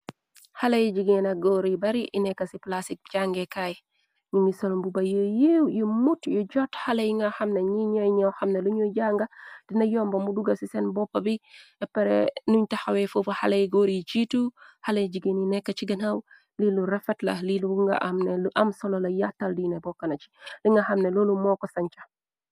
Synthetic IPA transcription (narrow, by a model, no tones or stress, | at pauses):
halɐjd͡ʒiɡenɐɡɔɾibɐɾiʔinɛkːɐsiplasik̚d͡ʒaŋɡɛkaj | niɲisolmbubɐjəjewjumutjɔd͡ʒɔthalɐjŋɡaxɐmneɲiɲojɲowxɐmneluɲɔɟaŋɡɐd̥inɐjɔmbɐmuduɡɐsisɛnbɔpːɐbiɛpɛɾɛ̰nuɲtɐxawɛfofɐhalejɡɔɾit͡ʃituhalejd͡ʒiɡeninɛkːɐt͡ʃiɡɐnaw | liluɾɛfɛtlɐ̰liluŋɡɐ̰ʔamnɛluʔɐmsɔlolɐjatːɐldinɛbɔkːɐnɐt͡ʃi̥liŋɡɐxɐmnelolumɔːkɔsɐɲt͡ʃɐ